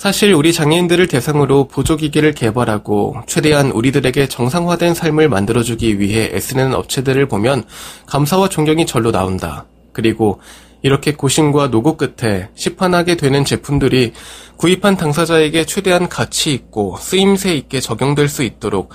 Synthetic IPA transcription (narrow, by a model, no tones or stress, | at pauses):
sʰaɕʰiɾuɾit͡ɕaŋiindɯɾɯɭte̞sʰaŋɯɾopud͡ʑoɡiɡiɾɯɭke̞baɾɦaɡo̰t͡ɕʰwe̞de̞ɦanuɾidɯɾe̞ɡe̞t͡ɕʌŋsʰaŋɦwadwe̞nsʰaɭmɯɭma̰ndɯɾʌd͡ʑuɡiɥiɦe̞ʔḛs͈ɯnenʌ̰p̚t͡ɕʰe̞dɯɾɯɭpomjʌnkamsʰawat͡ɕoŋɡjʌŋit͡ɕʌɭːona̰onda̰ | kɯɾiɡo | iɾʌkʰe̞koɕʰimɡwanoɡok͈ɯtʰe̞ɕʰipʰanɦaɡe̞dwe̞nɯnt͡ɕe̞pʰundɯɾikuipʰantaŋsʰad͡ʑae̞ɡe̞t͡ɕʰwe̞de̞ɦankat͡ɕʰiːk̚k͈os͈ɯimsʰe̞ik͈e̞t͡ɕʌɡjoŋdwe̞ɭs͈uit̚t͈oɾok̚